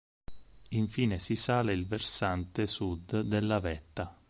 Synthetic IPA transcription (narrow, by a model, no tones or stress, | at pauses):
iɱfiːnesisaːleilversant̪esud̪d̪elːavɛt̪ːa